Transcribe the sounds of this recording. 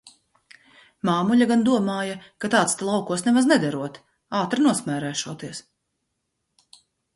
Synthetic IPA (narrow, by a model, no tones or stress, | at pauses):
maːmuʎʲaɡand̪uɔmaːjakat̪aːt̪st̪ɛlˠawkuɔsnɛvaznɛd̪aɾuɔt̪ | aːt̪ɾinuɔsmʲæːɾæːʃuɔt̪iɛs